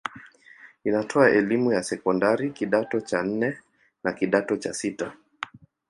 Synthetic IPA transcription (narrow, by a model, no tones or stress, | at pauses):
inatʰɔaʔɛlimujasɛkɔndaɾikiɗatɔt͡ʃan̩nɛ | nakiɗatɔt͡ʃasita